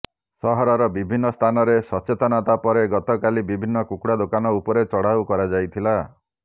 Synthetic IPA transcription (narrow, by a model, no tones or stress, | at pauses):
sɔɦɔɾɔɾɔbibʱinːɔst̪ʰanɔɾesɔt͡ʃet̪ɔnat̪apɔɾeɡɔt̪ɔkalibibʱinːɔkukɽad̪okanɔupɔɾet͡ʃɔɽ̤awkɔɾad͡ʒajt̪ʰila